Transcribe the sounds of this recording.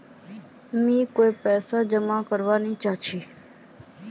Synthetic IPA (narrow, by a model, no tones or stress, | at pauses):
mĩːkoipɛːsad͡ʒəmakəɾʋanit͡ʃat͡ʃʰiː